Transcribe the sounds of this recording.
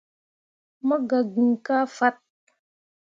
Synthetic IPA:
mə˦ɡa˨ɡi˨ŋka˦fa˦t̚

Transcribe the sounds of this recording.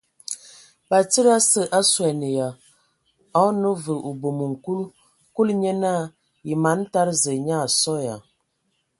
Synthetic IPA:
ba˨t͡sə˦ɾa˦sə˨ʔa˦swɛ˨nə˨ja˨ | a˨˦nə˦və˨ʔu˨bo˨mə˨ŋ̩˨ku˦l | ku˦lɲɛ˦na˦ | ji˨ma˨˦n˦ta˦ɾzə˨ɲa˦˨sɔ˦ja˨

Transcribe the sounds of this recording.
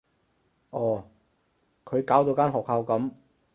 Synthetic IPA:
ʔɔː˨˧˩ | kʰɵ˨˧ɥkaː˨˥wt̪̬o˧wkaː˥nɦɔː˨k̚ha˧wkɐ˨˥m

